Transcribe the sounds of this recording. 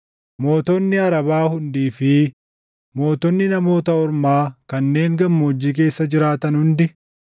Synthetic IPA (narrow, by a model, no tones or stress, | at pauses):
mo̞ːt̪ɔnːɪɐɾɐbaːhʊnd̪iːfɪ | mo̞ːt̪ɔnːɪnɐmo̞ːt̪ɐɔɾmaːkɐnːe̞ːŋɡɐmːoːd͡ʒːiːk̬e̞ːsːɐd͡ʒɪɾaːt̪ɐnhʊnd̪ɪ